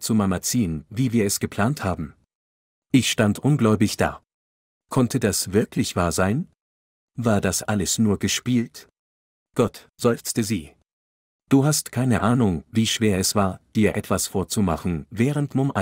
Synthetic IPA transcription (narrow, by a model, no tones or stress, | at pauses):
t͡sumamat͡siːənviːviːɐɛsɡ̥əpʰl̥aːnthaːbm̩ | ʔɪçʃtantʔʊnɡlɔʏbɪçd̥a̰ː | kʰɔntʰədasv̥ɪɐklɪçv̥aːɐzaɪn | vaːɐdasʔaləsnuːɐɡəʃpiːlt | ɡ̥ɔt | z̥ɔʏft͡stəziː | d̥uːɦastkʰaɪnəʔaːnʊŋviːʃv̥eːɐɛsv̥aːɐd̥iːɐʔɛtv̥asfoːɐt͡sumaχn̩vɛːʁ̞əntmʊmʔa